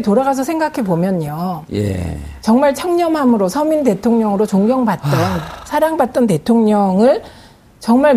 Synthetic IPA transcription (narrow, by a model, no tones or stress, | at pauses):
etoɾaɡas̬ʰʌsʰe̞ŋɡakʰe̞bomjʌɲojḛt͡ɕʌŋmaɭt͡ɕʰaŋɲʌmɦamɯɾosʰʌminte̞tʰoŋɲʌŋɯɾot͡ɕoŋɡjʌŋbat̚t͈ʌnsʰaɾaŋbat̚t͈ʌnte̞tʰoŋɲʌŋɯɭ | t͡ɕʌŋmaɭ